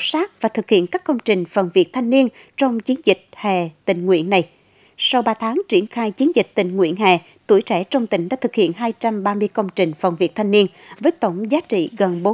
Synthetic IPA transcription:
saː˦˥k̚vaː˨˩t̪ʰɨ˨˩k̚hḭ˧˨ənkaː˦˥kːə˧wŋ͡mt͡ɕï˨˩ŋ̟fə˨˩nvi˨˩ək̚t̪ʰa˧jŋni˧ən | t͡ɕɔ˧wŋ͡mt͡ɕi˨˦ənzï˨˩k̟̚hɛ̰˧˨˩t̪ï˨˩ŋ̟ŋwḭ˧˥ənːa˨˩j | sa˧wɓaː˧t̪ʰaː˨˦ŋt͡ɕi˧˩ənxaː˧jt͡ɕi˨˦ənzi˨˩k̟̚t̪ï˨˩ŋ̟ŋwḭ˧˥ənɦɛ̰˨˩ | t̪ṵ˧˩əjt͡ɕɛ˧˩t͡ɕɔ˧wŋ͡mt̪ï˧˩ŋ̟ɗa̰ː˧˥t̪ʰɨ˨˩k̚hḭ˧˨ənɦaː˧jt͡ɕa˧mɓaː˧mɨ˧əjkə˧wŋ͡mt͡ɕï˨˩ŋ̟fə̰˨˩nvi˨˩ək̚t̪ʰa˧jŋ̟ni˧ən | vəː˨˦jt̪ə˧˩wŋ͡mzaː˨˦t͡ɕḭ˧˨ɣə˨˩nɓo˨˦

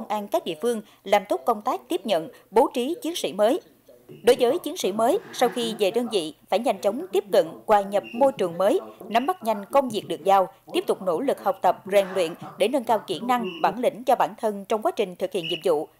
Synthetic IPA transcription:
wŋ͡mʔaː˧nkaː˦˥k̚ɗḭ˧˨əfɨ˧əŋ | laː˨˩mt̪o˦˥t̚kə˧wŋ͡mt̪aː˦˥k̚t̪i˦˥əp̚ɲə̰˧˨n | ɓo˨˦t͡ɕi˨˦t͡ɕi˨˦ənsḭ˧˩məː˨˦j | ɗo˨˦jzəː˨˦jt͡ɕi˨˦ənsḭ˧˩məː˨˦jsa˧wxi˧ve˨˩ɗəː˧nvḭ˧˨faː˧˩jɲa˧˩jŋ̟t͡ɕə˨˦wŋ͡mt̪i˦˥p̚kə̰˧˨nkwaː˨˧˩ɲə˨˩p̚mo˧jt͡ɕɨ˨˩əŋməː˨˦jna˨˦mːa˦˥t̚ɲa˨˧˩jŋ̟kə˧wŋ͡mvi˨˩ək̚ɗɨ˨˩ək̚za˧wt̪i˦˥əp̚t̪ʊ˨˩k͡p̚no˧˩lɨ˨˩k̚hə˨˩wk͡p̚t̪ə˨˩p̚zɛ˨˩ŋlwḭ˧˨ənɗe˧˩nəː˧nkaː˧wkḭ˧˩na˧ŋɓaː˧˩nlḭ̈˧˩ŋ̟t͡ɕɔ˧ɓaː˧˩nt̪ʰə˧nt͡ɕɔ˧wŋ͡mkwaː˨˦t͡ɕï˨˩ŋ̟t̪ʰɨ˨˩k̚hḭ˧˨ənḭ˧˨˩m̚zṵ˧˨

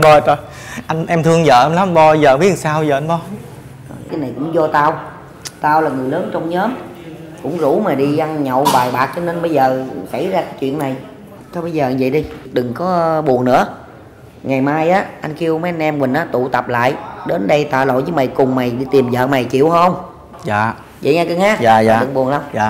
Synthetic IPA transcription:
ɓɔ˧t͡ɕɔ˨˩ | ʔa˧jŋʔɛ˧mt̪ʰɨ˧əŋzə̰ː˧˨ʔɛ˧mla˨˦mɓɔ˧zəː˨˩mi˦˥˨saː˧wzəː˨˩ʔnɓɔ˧˦ | əː˨˩kaː˨˦na˨˩jkʊ̰˧˥ŋ͡mzɔ˧t̪aː˧w | t̪aː˧wlaː˨˩ŋɨ˨˩əjləː˨˦nt͡ɕɔ˧wŋ͡mɲəː˨˦m | kʊ̰˧˥ŋ͡mzṵ˧˥maː˨˩ɗi˧ʔa˧ŋɲɔ̰˧˨wvaː˨˩jɓaː˨˩k̚t͡ɕɔ˧ne˧nɓə˧jzəː˨˩sa̰˧˩jzaː˧kaː˨˦jt͡ɕwḭ˧˨ənːa˨˩j | t͡ɕɔ˨˧˦ɓə˧jzəː˨˩˨və̰˧˨jɗi˧ɗɨ˨˩ŋkɔ˨˦ɓu˨˩əŋnɨ̰˧˥ə | ŋa˨˩jmaː˧jʔaː˨˦ʔa˧jŋ̟ki˧əwmə˨˦ʔa˧nʔɛ˧mmwï˨˩n̟ʔaː˨˦t̪ṵ˧˨t̪ə˨˩p̚la̰ː˧˨jɗe˨˦nɗə˧jt̪wa̰ː˧˨lo̰˧˨jzəː˨˦jma˨˩jkʊ˨˩ŋ͡mma˨˩jɗi˧t̪i˨˩mzə̰ː˧˨ma˨˩jt͡ɕḭ˧˨əwhə˧wŋ͡m | zaː˧˨ | və̰˧˨jɲaː˧kɨ˧ŋhaː˨˦˥aː˧˨ɨ˨˩ɓu˨˩əŋlə˧wŋ͡maː˧˨

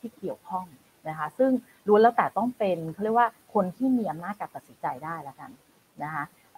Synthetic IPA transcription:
t̪ʰiː˥˩ki˨˩əwkʰɔ˥˩ŋ | na˦˥kʰa˦˥sɯ˥˩ŋ | ɾu˧lɛː˦˥˩wt̪ɛː˨˩t̪ɔ˥˩ŋpe˧nkʰɔ˥˩ɾi˥˩kwaː˥˩kʰo˧nt̪ʰiː˥˩miː˧ʔa˧mnaː˥˩t̪̚ka˧pa˨˩si˨˦nt͡ɕa˧jdaː˥˩jla˦˥ka̰˧n | na˦˥kʰa˦˥ʔ

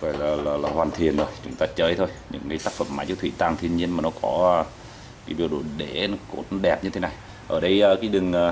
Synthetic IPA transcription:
vaː˧˩jlaː˨˩laː˨˩laː˨˩hwaː˨˩nt̪ʰi˨˩ənzo˧˩jt͡ɕʊ˨˦ŋ͡mt̪aː˧t͡ɕəː˧˩jt̪ʰo˧jɲɨ̰˧˥ŋːɨ˨˧˦jt̪aː˦˥k̚fə̰˧˩mːaː˨˧˦jt͡ɕə˧˦t̪wi˧˨˩t̪a˨˩ŋt̪ʰi˧ənɲi˧ənmaː˨˩nɔ˨˦kɔ˧˦˧ | kiː˨˦ɓi˨˩əwɗo˧˩ɗe˧˩nɔ˨˦ko̰˨˦˥t̚ɗɛ˨˩p̚ɲɨ˧t̪ʰe˨˦na˨˩j | ʔəː˧˩ɗə˧jʔəː˧kaː˨˦jɗɨ˨˩ŋʔː

